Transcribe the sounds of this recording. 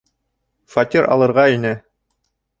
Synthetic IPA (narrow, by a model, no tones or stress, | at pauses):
fɐt̪ʲiɾɑ̰lˠɤ̆ɾʁɑinɘ